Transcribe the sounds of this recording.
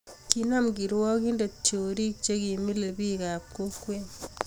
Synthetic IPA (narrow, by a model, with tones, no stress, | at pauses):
kina˦mɡi˨ɾwɔ˦ki˦nde˨t͡ʃjo˨ɾi˦k̚t͡ʃe˦ki˨mi˦lebi˦ka˨p̚ko˦kwe˦ɲ